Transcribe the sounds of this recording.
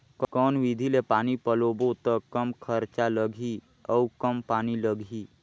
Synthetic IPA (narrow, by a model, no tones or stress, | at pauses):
kkɔːnʋid̪ʱilepaːnipəloːbot̪əkəmkʰəɾt͡ʃaləɡʱi | əkəmpaːniləɡʱiː